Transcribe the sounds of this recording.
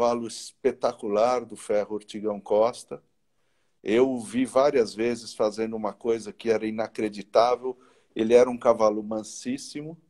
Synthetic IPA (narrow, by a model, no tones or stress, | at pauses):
valʊɪspet̪akulaɾd̪ʊfɛhʊoɾt͡ʃiɡɐ̃w̃kɔst̪ɐ | ewvivaɾiɐzvezɪsfazẽnd̪ʊũmɐkojzɐkɪɛɾɐĩnakɾed͡ʒit̪avew | elɪɛɾɐũkavalʊmɐ̃sisimʊ